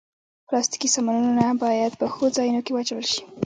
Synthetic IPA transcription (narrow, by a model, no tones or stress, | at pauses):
plɑst̪i̥kisɑmanunonabɑjad̪̚pəxod͡zɑjunokewɑt͡ʃawəlʃi̥